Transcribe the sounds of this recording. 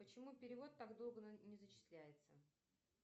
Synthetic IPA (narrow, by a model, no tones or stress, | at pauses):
pət͡ɕɪmupʲɪɾʲɪvo̞t̪ːaɡd̪o̞lˠɡənʲɪzət͡ɕɪ̥slʲæjɪt̪sə